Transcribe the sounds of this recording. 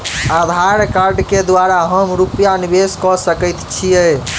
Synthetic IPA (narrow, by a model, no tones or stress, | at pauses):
ad̪ʱaɾkaɾɖked̪waɾaɦəmɾupjanibeskɔsəkət̪t͡ʃʰijɛ